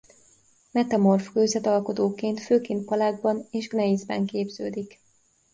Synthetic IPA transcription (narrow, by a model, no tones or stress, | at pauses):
mɛt̪ɒmo̞rfkøːzɛt̪ɒlko̞t̪oːkeːnt̪føːkeːnt̪̚pɒlaːɡ̚bɒneːʒɡnɛizbɛ̰ŋkeːbzøːd̪ik